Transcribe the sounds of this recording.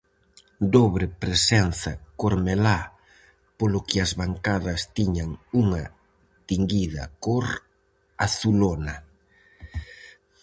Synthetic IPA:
d̪oβɾɪpɾesɛn̟θɐkoɾmela | polʊkɪɐzβaŋkaðɐst̪iɲɐŋuŋɐ | t̪iŋɡiðɐ̰koɾ | aθulonɐ

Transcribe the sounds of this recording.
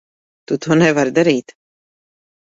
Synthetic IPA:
t̪ut̪uɔnɛvaɾd̪aɾiːt̪

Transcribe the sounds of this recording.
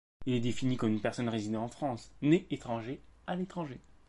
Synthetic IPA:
ilɛd̪efinikɔmynpɛʁsɔnʁezid̪ɑ̃ɑ̃fχɑ̃sneːt̪χɑ̃ʒealet̪χɑ̃ʒe

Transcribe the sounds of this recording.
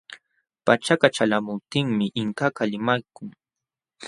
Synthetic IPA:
pat͡ʃakat͡ʃalamʊp̚t̪ɪŋmɪʔɪŋkakalɪmajkʊŋ

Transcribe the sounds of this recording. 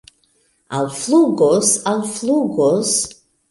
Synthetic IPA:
a̰lfluɡɔsalfluɡɔs

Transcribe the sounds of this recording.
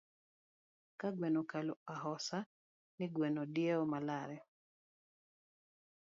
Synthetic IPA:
kaɡwɛnɔkalɔaɦɔsa | nɪɡwɛnɔdiɛɔmalaɾɛ

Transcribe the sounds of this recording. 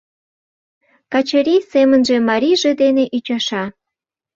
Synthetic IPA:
kɑt͡ɕeɾʲisemənʒemɑɾʲiʒed̪eneʔyt͡ɕɑʃɑ

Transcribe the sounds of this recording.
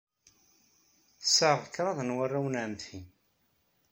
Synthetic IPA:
səʁəkːɾˤɑðˤnwarːawənʕəmt̪hi

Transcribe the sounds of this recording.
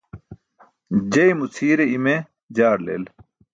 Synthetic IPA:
d͡ʑɐimut͡sʰiːɾeime | d͡ʑaːɽlḛːl

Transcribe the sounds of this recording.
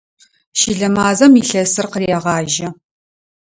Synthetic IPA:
ʃiɮɐmaːzɐmiɬɐsɨrqərjɛʁɑːʒɐ

